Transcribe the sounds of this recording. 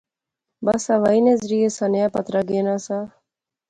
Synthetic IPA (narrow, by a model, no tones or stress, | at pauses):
bɐsaʋainezɾijesanejaːpɐt̪ɾaɡeːnasa